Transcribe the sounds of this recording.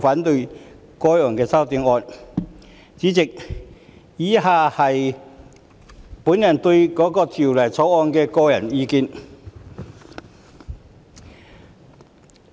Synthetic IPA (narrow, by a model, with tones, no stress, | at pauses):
faː˨˥nt̪ɵ˧ɥ | kɔː˥˩jɔː˨˩ŋkɛː˧sɐ˥wt̪iː˨˥ŋɔː˧n | t͡siː˨˥t͡sɪ˨k̚ | jiː˨˥haː˨˩hɐ˨j | puː˨˥njɐ˨˩nt̪ɵ˧ɥkɔː˨˥kɔː˧t̪ʰiː˨˩wlɐ˨˩jt͡sʰɔː˨˥wɔː˧nkɛː˧kɔː˧jɐ˨˩njiː˧kiː˧n